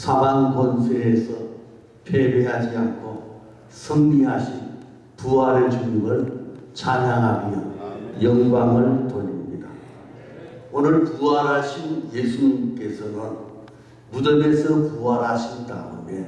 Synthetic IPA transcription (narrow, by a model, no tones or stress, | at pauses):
sʰaɾaŋɡʌnsʰeːsʰʌ | pʰebeɦad͡ʑiankʰo | sʰʌŋɲiɦaɕʰin | puaɾed͡ʑunimɯɭt͡ɕʰaɲaŋɦamjʌjʌŋɡwaŋɯɭtoɲimɲida | onɯɭkuʌɾɦaɕʰinjesʰuɲimk͈e̞sʰʌnɯn | mudʌmesʰʌkuaɾɦaɕʰinda̰o̰me